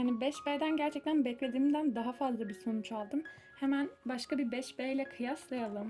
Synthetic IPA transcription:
hanibɛʃbeːd̪ænɟæɾt͡ʃʰɛc̚t̪ʰænbɛclʲe̞d̪iːmd̪ænd̪aɦafazlˠabiso̞nut͡ʃalˠd̪ɯm | hemænbaʃkabibɛʃbɛːilʲɛkʰɯjaslˠajalˠɯm

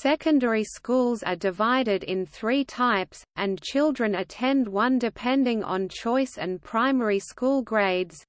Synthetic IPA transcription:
sɛkə̃ndəɹiskulˠzə̰dɨvaɪɾɪɾɪ̰̃nθɹitʰaɪpsʔɨ̃nt͡ʃʰɪlˠdɹɨ̃nɨtʰɛ̃nd̚wʌ̃ndɨpʰɛ̃ndɪ̃ŋʔə̰̃nt͡ʃʰɔɪsɨ̰̃npʰɹ̥aɪmɛɹiskulˠɡɹeɪdz̥

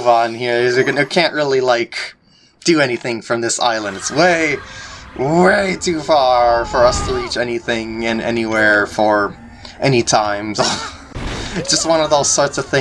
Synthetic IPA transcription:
vn̩hiɹɪzɨnɨkʰæ̃nʔɹɪlˠilaɪk | d̥ɨɛniθɪ̃ŋfɹʌ̃mðɪsa̰ɪlˠə̃ndɨtsweɪ | ɹeɪtʰʉfɑɹfə˞ʌstʰəɹit͡ʃɛniθɪ̃ŋɨ̃nʔɛ̰niwɛɹfə˞ | ʔɛnitʰãɪ̃mzo | ɨd̥ʒ̥ʌst̚wʌ̃nʌvðoʊz̥sɔɹtsʌv̥θɪ̃

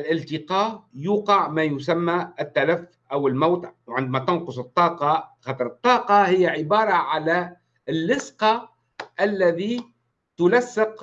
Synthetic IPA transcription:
ɪlʔɪlt̪ɪqɑːjuːqɑʕmajʊsamːaɪt̪ːalaf | ʔawɪlmawt̪wʕɪnd̪mat̪ɪnqʊsˤɨt̪ˤːɑːqɑxɑːt̪ˤɾˤɨt̪ˤːɑːqɑhɪjːaʕɪbɑːɾˤɑʕala | ɪlːɪsqɑ | ʔalːaði | t̪ʊlasːɪq

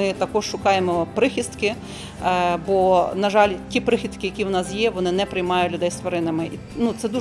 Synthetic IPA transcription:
ɪt̪ɐkɔʃʃʊkɑjemɔpɾɪxʲist̪kɪ | bɔnɐʒɑlʲtʲipɾɪxʲist̪kɪjɐkʲiwnɑsjɛʋɔnɪnɛpɾɪjmɑjʊtʲlʲʊd̪ɛjst̪ʋɐɾɪnɐmɪʔi | nut̪sɛd̪u

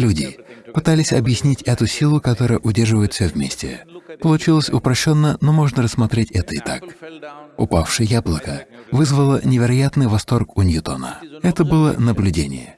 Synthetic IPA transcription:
lʲudʲɪpɨt̪alʲɪsʲɐbjɪsʲnʲitʲɛt̪ʊsʲilˠʊkɐt̪o̞ɾəjəʔʊdʲerʐɨvəjɪt̪fʲsʲovʲmʲesʲtʲɪ̰pəlˠʊt͡ɕilˠəsʲʊpɾɐɕːo̞nːəno̞mo̞ʐnəɾəsːmɐt̪ɾʲetʲɛt̪əɪt̪ak | ʊ̰pafʂɨjəjablˠəkəvɨzvəlˠənʲɪvʲɪɾɐjat̪nɨjvɐst̪o̞rkʊnʲjʊt̪o̰nə̰ɛt̪əbɨlˠənəblʲʉdʲenʲɪ̰jə

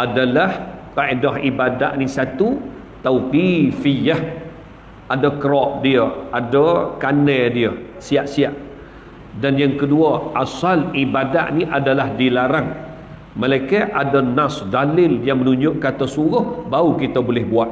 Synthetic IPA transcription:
ʔadalaht̪aʔedaɦibada̰ʔnisat̪u | t̪auwkifijah | adəkəɾɔʔdiəadəkanədiə | siaʔsiaʔ | danjaŋkəduəʔasalibada̰ʔniʔadalahdilaɾaŋ | məlajkəʔadənasdalɪljaŋmənuɲd͡ʒʊʔkat̪əsuɾʊhbaukit̪əbolɪhbuaʔ̪̚

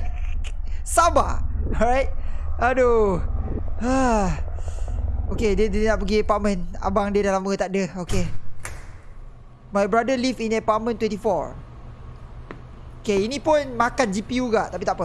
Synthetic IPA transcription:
saba̰ɹajt̚ado | a | okedədnaʔpəɡiepamə̃na̰baŋdiədalaməɡət̪aʔ̚dəoke | majbɾadəlifinəpamə̃nt̪wɛ̃nt̪ifɔ̰ɹ | okeinĩpʊnmakand͡ʒipiuɡaʔt̪apit̪aʔpɔ

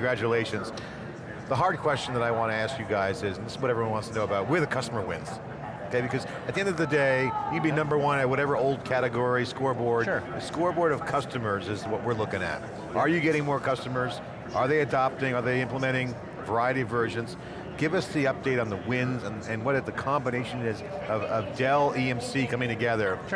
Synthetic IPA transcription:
ɡɹæt͡ʃɨleɪʃɨ̃nz̥ | ðəɦɑɹd̚kʰw̥ɛst͡ʃn̩ðəɾaɪwɑ̃nɨæskjɨɡaɪzɪzn̩ðɪswʌɾɛvɹiwʌnwɑ̃ntstʰənoʊəbaʊt̚wɨəɹðɨkʰʌstəmə˞wɪ̰̃nz̥ | oʊkʰeɪbɨkʰʌz | ɨt̪̚ðiɛ̃ndʌvðɨdeɪjɨbinʌ̃mbə˞wʌ̃nɨt̚wʌɾɛvə˞oʊlˠd̚kʰæɾɨɡɔɹiskɔɹbɔɹdɨskɔɹbɔɹɾʌv̥kʰʌstɨmə˞zɨzwʌʔ̚wɨɹlʊkɪ̃ŋɨ̰t̚ | ʔə˞jɨɡɛɾɪ̃ŋmɔɹkʰʌstəmə˞z | ʔə˞ðeɪɨdɑp̚tɪ̃ŋə˞ðeɪɪ̃mpləmɛ̃ɾ̃ɪ̃ŋ | və˞aɪɨɾivɜ˞ʒɨ̃nz̥ | ɡ̥ɪvʌsðiʌp̚d̥eɪɾn̩ðəwɪ̃nzɨ̃nɨ̃nwʌɾɨðɨkʰɑ̃mbɨneɪʃɨ̃nɪzʔʌvʌvdɛlˠiɛ̃msikʰʌ̃mɪ̃ŋtʰɨɡɛðə˞

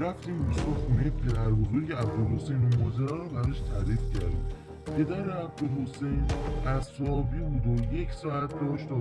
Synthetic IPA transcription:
ɾæft̪iːmbusoxuːnejepʰe̞d̪æɾbɔːɣekʰeæb̚d̪olhosejnomɒːzeɾæɾɔbæɾʃt̪ʰæɾiːfcʰæɾd̪ḭm | pʰe̞d̪æɾeæb̚d̪olho̞sejnæsɒːbiːbuːd̪oje̞cʰsɒːæt̪̚ʰd̪ɒːʃt̪ɒ

